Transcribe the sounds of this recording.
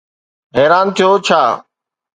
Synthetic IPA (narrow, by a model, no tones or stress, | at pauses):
ɦɛːɾaːnt̪ʰijoːt͡ʃʰaː